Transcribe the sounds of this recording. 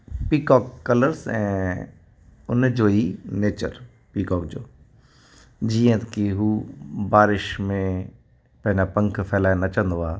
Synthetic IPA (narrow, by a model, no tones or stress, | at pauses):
pikɔːkːɐləɾsɛ̰̃ː | ʊnd͡ʑoːineːt͡ɕə̰ɾ | piːkɔːkd͡ʑoː | d͡ʑiːə̃t̪kiɦuːbaːɾɪʃmẽ | pɐ̃ɦɪ̃ɲapɐ̃ŋkʰfʰɛːlaːjnɐt͡ɕə̃nd̪oaː